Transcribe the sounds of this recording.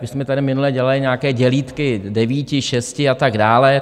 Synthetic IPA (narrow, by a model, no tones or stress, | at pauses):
bɪsmɛt̪adɪmɪnulɛːɟɛlalɪɲaːkɛːɟɛliːt̪kɪdɛviːcɪʃɛscɪat̪aɡdaːlɛ